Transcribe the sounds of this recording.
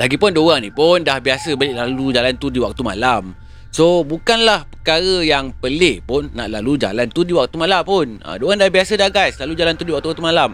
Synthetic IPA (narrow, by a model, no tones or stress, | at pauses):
laɡipʊndoɣaŋnĩpʊndahbiasəbəlɪʔlalud͡ʒalant̪udiwak̚t̪uma̰lam | sobukanlahpəkaɾəjaŋpəleʔpʊnːa̰ʔlalud͡ʒa̰lant̪udiwak̚t̪umãlampʊnə̰doɣaŋdahbiasədaɡaslalud͡ʒalant̪udiwak̚t̪uwakt̪umalam